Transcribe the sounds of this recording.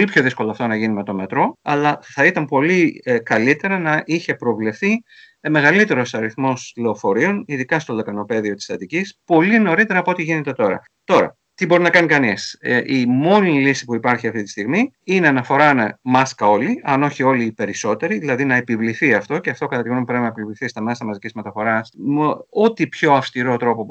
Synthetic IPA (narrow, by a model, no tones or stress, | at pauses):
olipço̞ðisko̞loɐft̪o̞nɐʝinime̞t̪o̞me̞t̪ɾo̞ɐlɐθɐit̪ɐmpo̞likɐlit̪e̞ɾɐnɐʔiçe̞pɾo̞vle̞fθi | me̞ɣɐlit̪e̞ɾo̞sɐɾiθmo̞sle̞ofo̞ɾio̞niðikɐst̪o̞lɐkɐno̞pe̞ðio̞t̪i̥sθɐt̪icispo̞lino̞ɾit̪e̞ɾɐːpoot̪iʝine̞t̪e̞t̪o̞ɾɐ̰ | t̪o̞ɾɐ̰ | t̪ibo̞ɾinɐkɐnikɐnisʔimo̞nilisi̥puipɐɾçiɐft̪it̪i̥st̪iɣmiineɐnɐfo̞ɾɐnmɐskɐo̞liɐno̞çio̞liːpe̞ɾiso̞t̪e̞ɾiðilɐðinɐepivliθiɐft̪o̞ceɐft̪o̞kɐt̪ɐt̪iɣnomupɾe̞pinɐpilvliθist̪ɐme̞sɐmɐzicizmet̪ɐfo̞ɾɐsmo̞t̪ipço̞ɐfst̪iɾo̞t̪ɾo̞po̞